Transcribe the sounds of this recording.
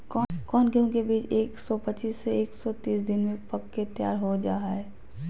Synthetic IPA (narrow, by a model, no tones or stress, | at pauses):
kɔkɔːnkeɦõkebiːt͡ʃeːksɔpət͡ʃiːsːeeːksɔt̪iːsd̪ɪnmẽpɐkːet̪ɪjaːɾɦod͡ʒaːaɦɛː